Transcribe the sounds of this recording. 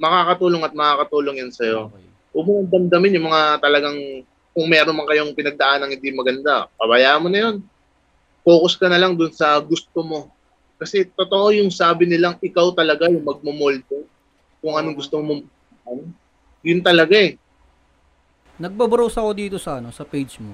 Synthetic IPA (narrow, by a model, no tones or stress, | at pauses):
mɐkakɐt̪uːloŋɐt̪̚mɐkaːkɐt̪uːlo̞ŋjɐnsɐjo̞ | ʔʊmʊnɐnd̪ɐmd̪ɐmɪnjʊŋmɐŋat̪ɐlɐɡaŋ | kʊŋmɛːɾonmɐŋkɐjo̞ŋpɪnɐɡ̚d̪ɐʔanːɐŋhɪnd̪iŋmɐɡɐnd̪apɐbɐjaːʔɐnmo̞nɐjo̞n | po̞ːkoskɐnɐlaŋd̪ʊnsɐɡʊst̪o̞mo̞ | kɐsɛt̪ot̪o̞ʔo̞jʊŋsaːbɪnɪlaŋɪkawt̪ɐlɐɡajʊŋmɐɡ̚momolt̪o | kʊŋɐnoŋɡʊst̪omomʊm | ʔan | jʊnt̪ɐlɐɡaʔɛ | nɐɡ̚bɐbɾowsɐko̞d̪iːt̪o̞sɐɐnosɐpejd͡ʒmo